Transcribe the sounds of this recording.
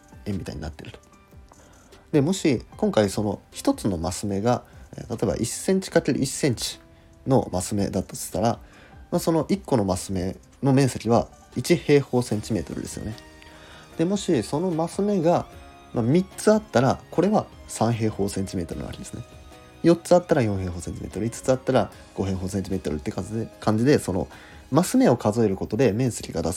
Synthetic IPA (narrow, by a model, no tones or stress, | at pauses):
emʲːit̪a̰ḭɲ̟ḭna̰t̪ːe̞ɾɯ̟t̪o̥ | d̪e̞mo̞ɕikõ̞ŋkaiso̞no̞̰çi̥t̪o̞t͡sɨno̞masɨme̞ɡaḛt̪at̪o̞eba̰ʔisẽ̞ɲ̟t͡ɕi̥kat̪ʲːeɾʲḭi̥sẽ̞ɲ̟t͡ɕi̥ | no̞̰masɨme̞̰d̪at̪ːat̪o̥t̪aɾa | maso̞no̞ʔikːo̞no̞masɨme̞̰ | no̞mẽ̞ɰ̃sekʲiβa | it͡ɕihe̞ːho̞ːsẽ̞ɲ̟t͡ɕime̞̰ːt̪o̞̰ɾɯ̟̰d̪e̞sɨjo̞̰ne̞ | d̪̥e̞mo̞ɕiso̞no̞masɨme̞ɡa | mamʲit͡sɨat̪ːaɾako̞ɾe̞βasãɰ̃ɦe̞ːho̞ːsẽ̞ɲ̟t͡ɕime̞ːt̪o̞ɾɯ̟na̰a̰kid̪e̞sɨne | jo̞t͡sɨat̪ːaɾajõ̞ɰ̃ɦe̞ːɦo̞ːsẽ̞ɲt͡ɕime̞̰ːt̪o̞ɾɯ̟it͡sɨ̥t͡sɨat̪ːaɾa | ɡ̥o̞ɦe̞ːɦo̞ːsẽ̞ɲ̟t͡ɕime̞ːt̪o̞ɾɯ̟t̪ːekakãɲ̟d͡ʑid̪e̞so̞no̞̰ | masɨme̞o̞kazoe̞ɾɯ̟ko̞t̪o̞d̪e̞mẽ̞ɰ̃se̞kʲiɡad̪as